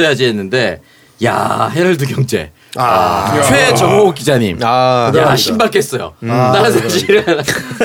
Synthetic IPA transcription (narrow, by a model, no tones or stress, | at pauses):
ejad͡ʑienːɯnde̞ | ja̰ɦeɾɯɭdɯɡjʌŋd͡ʑe̞̰ | t͡ɕʰwe̞t͡ɕʌŋok͈id͡ʑaɲimjaɕʰimbak͈ʰe̞s͈ʌjo̰t͈aɾɯnsʰaɕʰiɾɯn